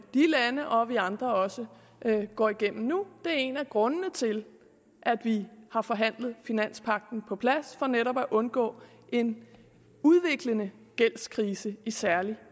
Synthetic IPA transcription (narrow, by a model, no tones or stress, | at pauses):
d̥ilænəʔɒ̽ʋiɑ̈nd̥ʁɐɒ̽sə | ɡ̥ɒ̰ːiɡ̥em̰m̩nud̥e̝æɐe̝næɡ̥ʁɔ̽nənət͡sʰe̝l | ʔæd̥ʋihɑ̈fɒ̽ɦæn̰ləð̞̩ˠfinæn̰spʰɑ̈ɡ̥̚d̥n̩pʰɒ̽pʰlæsfɒ̽neɾɒb̥æʔɔ̽nɡ̥ɔ̰̽ː | ʔe̝n | uðˠʋe̝ɡ̥lənə | ɡ̥el̰skʰʁiːsəisæɐli